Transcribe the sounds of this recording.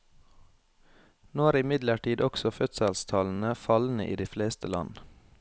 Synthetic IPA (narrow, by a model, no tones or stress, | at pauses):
noːæːɾɪmɪd̪ləʈiːd̪ɔksɔfœt̪səlst̪ʰɑːln̩əfɑln̩əʔḭːd̪iːfleːst̪ʰəlɑ̰n